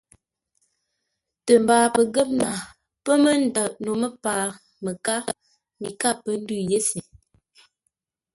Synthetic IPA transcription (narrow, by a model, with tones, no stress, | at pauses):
tə˨m˨baː˨pə˨ɡə˦p̚na˨ | pə˦mə˦n̩˨dɔ˨ʔno˨mə˦paː˨ | mə˨ka˦ | mi˨ka˦˨pə˦n̩˦dʉ˦˨je˦se˨